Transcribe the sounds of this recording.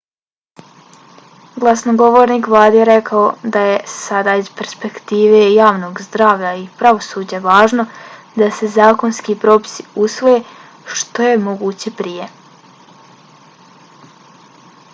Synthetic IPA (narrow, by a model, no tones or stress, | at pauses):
ɡlˠasnoɡo̞ʋo̞ːɾniːkʋlˠaːd̪ijeɾe̞kaod̪ajesad̪aːiz̥pe̞ɾspe̞kt̪iːʋe̞jaːʋno̞ːɡzd̪ɾaːʋʎaipɾaʋo̞sud͡ʑaʋaːʒno̞ | d̪ase̞zaːkonskiːpɾo̞pi̥siusʋo̞je | ʃt̪o̞je̞mo̞ɡuːt͡ɕepɾije̞